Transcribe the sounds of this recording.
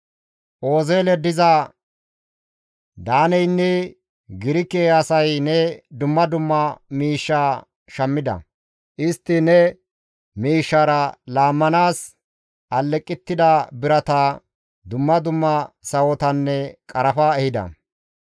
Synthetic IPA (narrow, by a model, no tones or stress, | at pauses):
ʔo̞ːzeːlɛd̪ɪzɐ | d̪aːnɛjnːɛ | ɡɪɾɪkːeːɐsɐjnɛd̪ʊmːɐd̪ʊmːɐmiːʃːaː | ʃɐmːɪd̪ɐ̰ | ʔɪst̪ːɪnɛ | miːʃːaɾɐlaːmːɐnaːs | ɐlːɛkʼːɪt̪ːɪd̪ɐbɪɾɐt̪ɐ | d̪ʊmːɐd̪ʊmːɐsɐwɔt̪ɐnːɛkʼɐɾɐfaːɛhɪd̪ɐ̰